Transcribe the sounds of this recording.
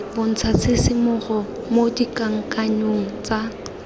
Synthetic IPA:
bon̩t͡sʰasɪsɪmʊχɔ | modikaŋ̩kaɲoŋ̩t͡sa

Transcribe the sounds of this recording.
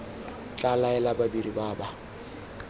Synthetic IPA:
t͡ɬʼalaɛlababiɾibaːba

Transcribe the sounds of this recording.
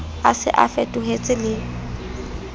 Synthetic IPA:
a̰sɪ̰ʔa̰fɛtʼʊɦet͡sʼɪlɪ

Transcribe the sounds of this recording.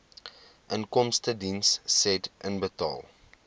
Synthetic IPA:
ʔənkɔmstədinsːɛtʔənbətɑ̰ːlˠ

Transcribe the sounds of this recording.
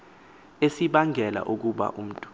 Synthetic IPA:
esiɓaŋʱɛla̰ʔuk̬uɓa̰ʔum̩tʼu̥

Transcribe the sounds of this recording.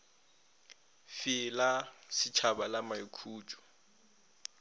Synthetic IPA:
fɪlasɪt͡ʃʰabalamaikʰuːt͡ʃʼɔ̥

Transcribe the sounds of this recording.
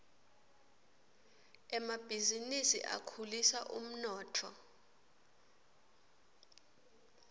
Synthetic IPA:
ɛmab̥ʱizinisḭʔa̰kʰulisaʔum̩nɔːtʰɔ

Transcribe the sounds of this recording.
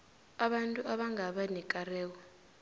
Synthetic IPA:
aɓantʼuaɓaŋɡʱaɓanɛkʼarɛːwɔ

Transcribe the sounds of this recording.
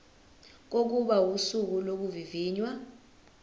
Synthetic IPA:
k̬ok̬uɓawusuk̬ulok̬uviviːɲwa

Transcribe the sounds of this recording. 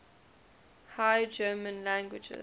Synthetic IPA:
haɪd͡ʒɜːmə̃nlæ̃ŋɡwɪd͡ʒɪ̰

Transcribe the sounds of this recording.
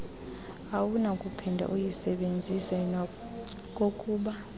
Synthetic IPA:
awunakʼupʰɛndʱa̰ʔujisɛɓend͡zʱisɛ | kʼokʼuːɓa

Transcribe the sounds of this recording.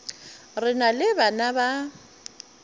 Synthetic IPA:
rɪnalɪbanaba

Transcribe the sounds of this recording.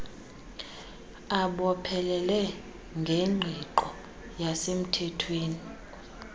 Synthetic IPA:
aɓɔpʰɛlɛlɛ | ŋɡʱeŋ͡ǃʱiǃɔ | jasem̩tʰɛtʰweːni

